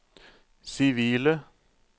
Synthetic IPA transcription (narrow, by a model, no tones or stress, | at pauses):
sɪʋiːlə